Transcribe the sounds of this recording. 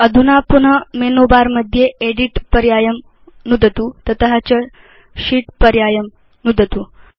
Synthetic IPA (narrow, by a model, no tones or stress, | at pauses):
əd̪ʱunapunəmenobaɾməd̪ʱːjeeɽiʈpɐɾjaːjəm | nud̪ʱət̪ut̪ət̪əɦat͡ɕə | ɕiːʈpəɾjaːjəm | nud̪ʱət̪u